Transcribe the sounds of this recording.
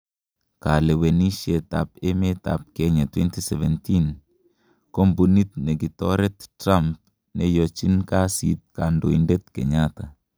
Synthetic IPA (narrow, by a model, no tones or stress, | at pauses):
kalewenisieta̰p̚emeta̰p̚keɲatwentiseβentin | kombunit̚neɡitoɾet̚tɾamp̚ | nejot͡ʃinkasḭt̚kandoindet̚kḛɲata